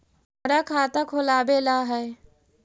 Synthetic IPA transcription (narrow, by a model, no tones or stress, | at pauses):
mɾakʰat̪akʰolabelaɦə